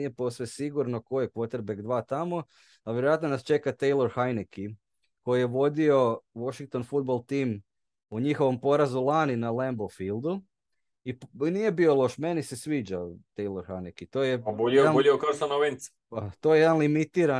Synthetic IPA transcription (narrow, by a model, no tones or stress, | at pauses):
ijepo̞sʋesiɡuɾno̞ko̞jekʋot̪eɾbekd̪ʋaːt̪amo̞ | aʋjeɾojat̪nonast͡ʃe̞kat̪ejlˠo̞ɾxajneki | ko̞jije̞ʋo̞d̪io̞ʋoʃiŋk̚t̪o̞nfud̪̚bolˠt̪iːm | uɲixo̞ʋo̞mpo̞ɾazulˠaninalembofilˠd̪u | inije̞bio̞lˠo̞ʃme̞nise̞sʋiːd͡ʑat̪ejloɾxajnekit̪ojebuʎioabuʎiokaost̪anoʋens | pat̪o̞jejed̪anlimit̪iːɾa